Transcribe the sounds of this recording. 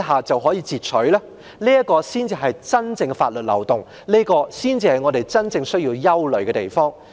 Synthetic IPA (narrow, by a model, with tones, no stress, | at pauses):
ɦaː˨˩t͡sɐ˨wɦɔː˨˥jiː˧t͡siː˨t̚t͡sʰɵ˨˥laː˥ | liː˥jɐ˥kɔː˧siː˥nt͡siː˧ɦɐ˨jt͡sɐ˥nt͡sɪ˧ŋɡɛ˧faː˧t̚lɵ˨t̚lɐ̰˨˩wt̪ʊ˨ŋ | liː˥kɔː˧siː˥nt͡siː˨˧hɐ˨˩jŋɔː˨˧t̪e˨jt͡sɐ˥nt͡sɪ˧ŋsɵ˥ɥjiː˧wjɐ˥wlɵ˨˩ɥkɛ˧t̪e˨jfɔː˥ŋ